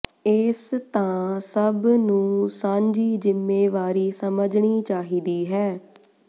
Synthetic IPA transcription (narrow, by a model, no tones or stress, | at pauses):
ɪst̪ãːsəbnũːsãːɲd͡ʒiːzɪmːeːʋaːɾiːsəməd͡ʒɳiːt͡ʃaːɦiːd̪iːɦɛː